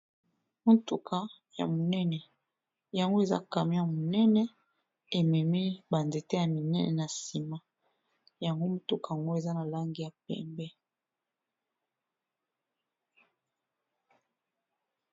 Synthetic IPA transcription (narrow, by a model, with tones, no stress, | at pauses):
mo˦tu˦kʰa˨ | ja̰˨mo˨nɛ˦nɛ˨ | ja˨ŋɡo˦e˨za̰˦ka˨mi˦ja˨mo˨nɛ˦nɛ˦ | e˨mɛ˨mi˦ba˨nze˨te˦ja˨mi˨nɛ˦nɛ̰˨na˨si˨ma˦ | ja˨ŋɡo˦mo˨tu˦ka˨a˨ŋɡo˦e˨za˦na˨la˦ŋɡi˨ja˨pɛ̰˨mbɛ˦